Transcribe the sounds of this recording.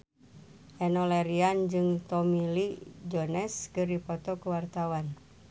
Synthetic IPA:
ʔɛnɔlɛɾiand͡ʒɨŋt̪ɔmilid͡ʒɔnɛskɨrdipɔt̪ɔkəwart̪awan

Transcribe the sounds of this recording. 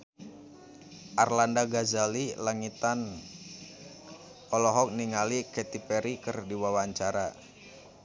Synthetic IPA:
ʔarlandaɡazalilaŋit̪an | ɔlɔɦɔk̚niŋalikɛt̪ipɛɾikɨrdiwawaɲt͡ʃaɾa

